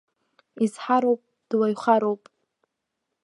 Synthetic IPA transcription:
izħaɾowpʼ | d̥wajχaɾowpʼ

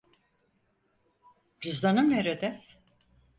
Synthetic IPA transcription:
bizd̪anɯmneɾed̪ɛ

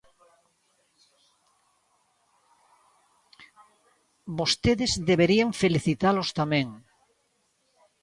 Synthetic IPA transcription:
bost̪eðezðeβeɾiaɱfeliθit̪alost̪amẽŋ

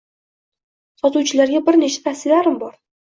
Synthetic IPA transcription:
sɒt̪uwt͡ʃʰɪlaɾɡʲabɪɾne̞t͡ʃʰḁt̪ʰahsɪlaɾɪmbɒɾ

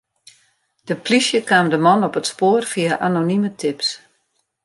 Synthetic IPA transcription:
d̥əplisjəkaːmdəmɔnɔpətspoːərfiaʔanonimətʰɪps

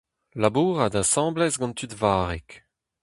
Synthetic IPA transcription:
labuːʁad̪asɑ̃ːblɛsɡɑ̃nt̪ydvaːʁɛk

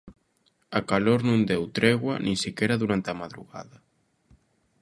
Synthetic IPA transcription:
akaloɾnũnd̪ewt̪ɾeɣwanʔĩŋsikɛɾaðuɾant̪eamaðɾṵɣa̰ðɐ

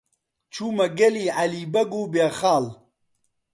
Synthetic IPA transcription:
t͡ʃʰuːmɐɡɐlialibɐɡuːbaːxaːl

